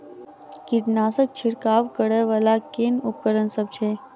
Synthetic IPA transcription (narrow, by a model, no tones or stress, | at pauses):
kiʈnaːsək̚t͡ʃʰɪɽkaːʋkəɽeʋalakeːnʊpkəɾənsəb̚t͡ʃʰeː